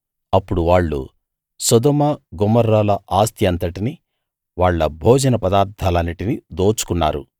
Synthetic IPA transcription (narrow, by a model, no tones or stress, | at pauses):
ɐpːuɽuʋaːɭːṵ | sɐd̪ɔmɐɡɔmːɐɾːaːlɐʔaːst̪jɐnt̪ɐʈini | ʋaːɭːɐbʱoːd͡ʒɐnɐpɐd̪aːɾt̪ʰːalɐniʈinid̪oːt͡ʃu̥kunːa̰ːɾṵ